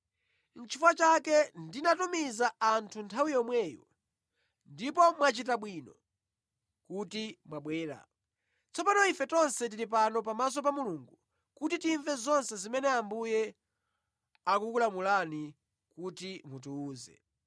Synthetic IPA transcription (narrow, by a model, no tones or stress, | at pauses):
n̩t͡ʃʰifwat͡ʃakɛndinatumizaantʰuntʰawijɔmwɛjɔ̰ | ndipɔmwat͡ʃitaɓwiːnɔ | kutimwaɓwɛːɾa̰ | t͡sɔpanɔifɛtɔnsɛt̬iɾip̬anɔpamas̬ɔp̬amuluŋɡu | kutitiɱvɛzɔnsɛzimɛnɛambujɛ | akukulamulani | kutimutuːzɛ̰